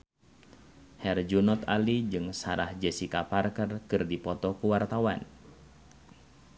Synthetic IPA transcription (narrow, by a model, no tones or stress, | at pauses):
hɛrd͡ʒunɔt̪alid͡ʒɨŋsaɾahd͡ʒɛsikaparkərkɨrdipɔt̪ɔkuwart̪awan